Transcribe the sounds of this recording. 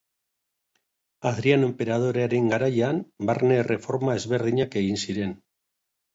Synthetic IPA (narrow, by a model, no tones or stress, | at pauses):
aðɾianempeɾað̞oɾeɾeŋɡaɾaʎanbaɾnerefoɾmaezβeɾðiɲakeinsiɾen